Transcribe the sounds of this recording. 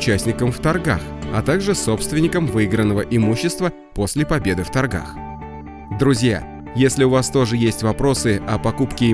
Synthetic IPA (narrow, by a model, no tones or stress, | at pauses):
t͡ɕæsʲnʲɪkəmft̪ɐrɡa̰xɐt̪aɡʐɨso̞pst̪vʲɪnʲɪkəmvɨiɡɾənːəvəʔɪmuɕːɪst̪və | po̞sʲlʲɪpɐbʲe̞d̪ɨft̪ɐrɡa̰x | d̪ɾʊzʲja̰ | jesʲlʲɪʊvast̪o̞ʐɨjesʲtʲvɐpɾo̞sɨɐpɐkupkʲɪɪ